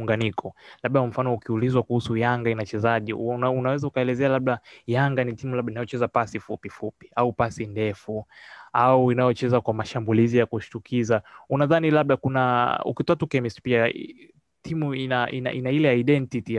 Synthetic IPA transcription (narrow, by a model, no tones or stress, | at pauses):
ŋɡanikʰɔlaɓ̚ɗakam̩fanɔukiulizwakuhusujaŋɡainat͡ʃɛzaʄḭunawɛzaukaɛlɛzɛalaɓ̚lajaŋɡanitimulabɓɗainajɔt͡ʃɛzapasifupifupi̥aupasindɛfuauinajɔt͡ʃɛzakwamaʃambulizijakuʃu̥tukʰizaunaðanilaɓ̚ɗakunaṵkitɔatukɛmispia̰ | timuinaḭna̰ʔinailɛaiɗɛntiti